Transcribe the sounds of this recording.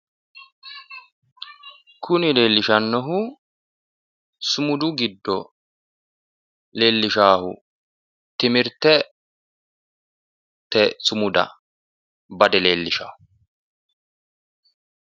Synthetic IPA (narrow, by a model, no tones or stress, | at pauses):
kʰʊnɪle̞ːlːɪʃɐnːɔɦʊ | sʊmʊd̪ʊɡɪd̪ːɔ | le̞ːlːɪʃaːhʊ̰ | t̪ɪmɪɾt̪ːɛ | t̪ɛsʊmʊd̪ɐ̰ | bɐd̪ɛle̞ːlːɪʃa̰ːhʊ